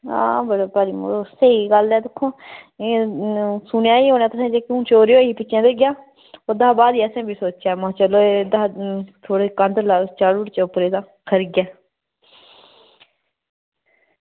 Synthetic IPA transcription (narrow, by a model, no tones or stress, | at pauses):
ã̰ːbəɽaːpaɾiːmo̰ːosəiːɡəlɛːd̪ɪkʰːõːe | sʊnjaːiːɦoːnaːt̪əsẽːd͡ʒeːkũːt͡ʃoːɾejoːiːpɪt͡ʃʰːãːd̪eɡɪjaː | oːd̪aːbaːd̪iːəsẽːbʱiːsoːt͡ʃaːmãːt͡ʃəloːed̪aːt̪ʰoːɽeːkənd̪laːt͡ʃaːɽʊɽt͡ʃeʊpɾeːd̪ãː | kʰəɾiɡjaː